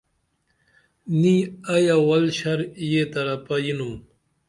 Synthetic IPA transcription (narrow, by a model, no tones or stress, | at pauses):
niɐjawɐlɕɐɾjet̪ɐɾɐpɐjinum